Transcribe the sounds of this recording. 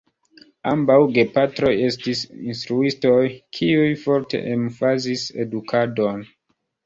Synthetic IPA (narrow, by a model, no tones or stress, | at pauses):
ambawɡe̞patɾo̞je̞stisḭnstɾuisto̞jkʰiujfo̞ɾte̞̰ʔemfazise̞̰dukʰado̞n